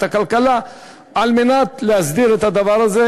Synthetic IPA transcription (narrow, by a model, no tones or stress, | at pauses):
t̪akalkala | alminat̪lehazd̪iɾet̪had̪avaɾaze